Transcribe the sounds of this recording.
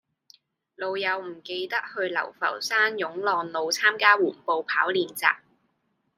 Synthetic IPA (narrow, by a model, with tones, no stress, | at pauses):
lo˨˧wjɐ˨˧wm̩˨˩ke˧jt̪ɐ˥k̚hɵ˧ɥlɐ̰˨˩wfɐ̰˨˩wsaː˥njʊ˨˥ŋlɔː˨˩nlo˨˧wt͡sʰaː˥mkaː˥wuː˨˩npo˨˧wpʰaː˨˥wliː˨nt͡sa̰ː˨k̚